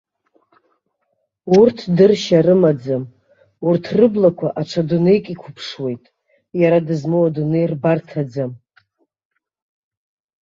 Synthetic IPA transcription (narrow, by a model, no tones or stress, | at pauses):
urtʰdɨrʃaɾɨmad͡zam | urtʰrɨblakʷʰaʔaʈ͡ʂʷʰadunejkʼikʷʰʊpʰʂwe̞jtʼ | jaɾadɨzmowadunɨjrbartʰad͡zam